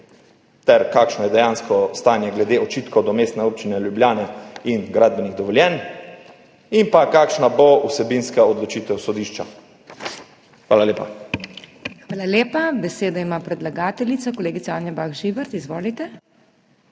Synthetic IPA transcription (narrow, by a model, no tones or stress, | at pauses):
t̪ɛɾkaːkʃnɔjɛd̪ɛjãːnskɔst̪aːnjɛɡlɛd̪eːɔt͡ʃiːt̪kɔd̪ɔmeːst̪nɛoːp̚t͡ʃinɛljubljaːnɛinɡɾaːd̪̚bɛniɣd̪ɔʋɔljɛn | impakaːkʃnabousɛbinskaɔd̪lɔt͡ʃit̪ɛwsɔd̪iːʃt͡ʃa | xʋaːlaleːpa̰ | xʋaːlaleːpabɛseːd̪aimapɾɛd̪laɡaːt̪ɛlit̪sakɔleːɡit̪saaːnjabaɣʒibɛɾt̪izʋoːlit̪ɛ